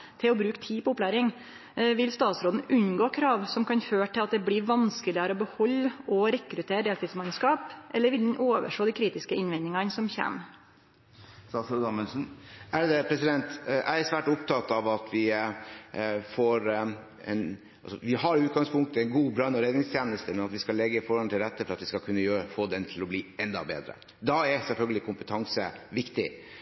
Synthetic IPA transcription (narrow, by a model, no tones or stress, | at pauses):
t̪ʰɪlɔbɾʉːkt̪ʰiːpɔʊpːlæːɾɪŋ | ʋɪlst̪ɑːt̪sɾoːd̪n̩ʔʉnːɡoːkʰɾɑːʋsɔmkʰɑnføːʈʰɪlɑt̪̚d̪ɛbliːʋɑnskəlɪəɾəɔbəhɔlːɔɾɛkːɾʉt̪ʰeːəd̪eːlt̪iːt̪smɑnskɑːpʔɛlːəɾʋɪld̪ɛnʔoːʋə̰ʂoːd̪ɪkʰɾiːt̪ɪskəɪnʋɛnɪŋɑnsɔmçæ̰ːm | ɑsod̪ɑmɛlsn̩æd̪ɛpʰɾɛsɪd̪ɛnt̪ʔæɪæɾsʋæːʈʊpt̪ʰɑt̪ɑʋɑt̪ʰʋɪ | foːɾ | ɛ̰n | ɑlsɔ̰ʋɪɦɑɾʉːt̪̚ɡɑŋspʰʊŋk̚t̪əɛnɡuːbɾɑnɔɾeːd̪ɪŋst̪ʰjæːnəst̪əmɛnɑt̪ʋɪskɑlɛɡːəfɔɾɑnt̪ʰɪlɾɛt̪ːəfɔɾɑt̪ʋɪskɑkʰʉnːəjøːɾəfoːd̪ɛnt̪ʰɪlɔbliːɛnd̪ɑ̰bḛːd̪ɾə̰ | d̪ɑæɾsɛlfœlɡəlɪkʰʊmpət̪ʰɑŋsəʋɪkt̪ɪ